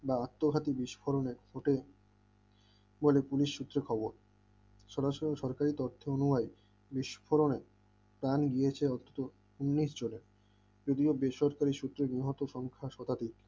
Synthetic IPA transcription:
baat̪ːoɡʱat̪ibiʃfʰoɾoneɾfoʈe | bolepuliʃʃut̪ːɾekʰɔboɾ | ʃɔɾaʃoɾoʃɔɾkaɾit̪ɔɾt̪ʰeonumaj | biʃfʰoɾone | pɾanɡijet͡ɕʰeɔnt̪ʰːo̥t̪o | unːiʃd͡ʑoneɾ | d͡ʑod̪iobeʃɔɾkaɾiʃut̪ːɾeniɦɔt̪oʃɔŋkʰaʃɔt̪ad̪ik

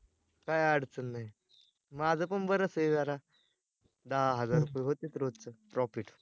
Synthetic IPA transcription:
kajaɽ̤t͡sənːaj | mad͡zʱəpəɳbəɾəsəjzaɾa | d̪aɦaɦəd͡zaɾɾupejɦot̪et̪ɾod̪̚t͡səʈɾɔfiʈ

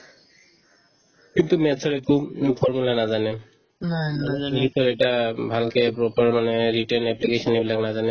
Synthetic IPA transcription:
kint̪umɛsʰɔɹekupʰɔɹmulanazanɛ | nit̪ɔɾɛʈabʱalkepɹɔpaɹmaneɹiʈaɹnɛplikesɔnibilaknazanɛ

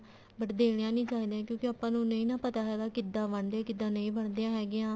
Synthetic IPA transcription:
bəʈd̪eːɽejãːnĩːt͡ʃaːɦiːd̪ejãːkjõːkeaːpːãːnũːnəĩːnãːpət̪aːɦɛːɡaːkɪd̪ãːbəɳd̪ejãːkɪd̪ːãːnə̃ĩːbəɳd̪ejãːɦɛːɡɪjãː

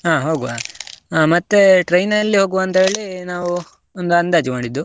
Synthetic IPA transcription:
ɦaːɦoːɡua̰aːmɐt̪ːeʈɾɐjnɐlːiɦo̞ːɡuʋɐnt̪ɐɦe̞ːɭinaːʋu | ond̪uɐnd̪aːd͡ʒimaːɽid̪ːu

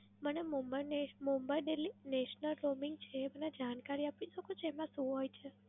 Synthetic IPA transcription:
mənemɔmbanemombaiɖelineʃnəlɾomiŋɡ̚t͡ʃʰeːməned͡ʒankaɾiapʋiʃəkot͡ʃʰeemãʃũɦojt͡ʃʰe

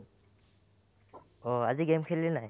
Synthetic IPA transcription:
ɔaziɡemkʰellɛnaj

